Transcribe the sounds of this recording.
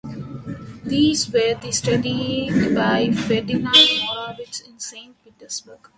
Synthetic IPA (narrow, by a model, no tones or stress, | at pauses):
d̪iːzʋəɾd̪isʈɐɖiɡbaɪfɛɖɪnaːɾmɔɾaːʋɪd͡ʒɪ̃nsẽːɳʈ̚piʈəɾsbəɾɡ̥